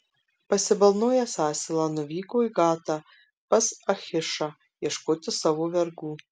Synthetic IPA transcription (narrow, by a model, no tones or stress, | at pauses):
pɐsʲɪbɐlˠnoːjɛsɑːsʲɪlˠɑnʊʋʲiːkoiɡɑːt̪ɐ | pɐsɐxʲɪʃa | jɛʃkoːt̪ʲɪsɑʋoʋʲɛɾɡuː